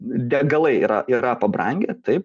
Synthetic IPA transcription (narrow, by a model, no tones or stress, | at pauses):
d̪ʲɛɡɐlˠɐɪḭːɾɐʔiɾɐpɐbɾɐ̰ŋʲɡʲɛt̪ɐɪp